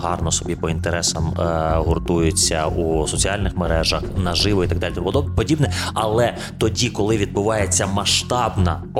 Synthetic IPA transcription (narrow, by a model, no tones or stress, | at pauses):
ɦɑrnɔsɔbʲipɔint̪eɾɛsɐmɦɔrt̪ujʊt͡sʲːɐusɔt͡sʲiɑlʲnɪxmeɾɛʒɐxnɐʒɪʋɔit̪ɐɡ̚d̪ɑlʲit̪ɔɔpɔd̪ɔbɛpɔdʲibnɛɐlˠɛ | t̪ɔdʲikɔlˠɪʋʲid̪̚bʊʋɑjet͡sʲːɐmɐʃt̪ɑbnɐ